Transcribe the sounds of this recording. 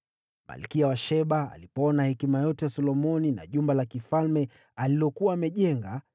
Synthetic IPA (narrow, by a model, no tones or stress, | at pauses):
ma̰likiawaʃɛɓa̰ːlipɔɔnahɛkimajɔtɛwasɔlɔmɔnina̰ʄumbalakifalmɛ | alilɔkuaːmɛʄɛŋɡa